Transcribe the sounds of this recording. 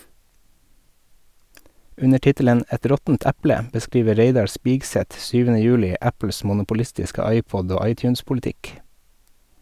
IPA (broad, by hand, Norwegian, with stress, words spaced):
ˈʉnə ˈʈɪtələn ˈɛt ˈɾɔtn̩t ˈæplə bəˈskɾiːʋə ˈɾeɪdɑɾ ˈspɪɡsɛt ˈsyːʋənə ˈjʉːlɪ ˈæpl̩s mʊnʊpʊˈlɪstɪskə ˈɑɪˌpɔd ˈoː ˈɑɪˌtjʉːnspʊlɪˌtɪk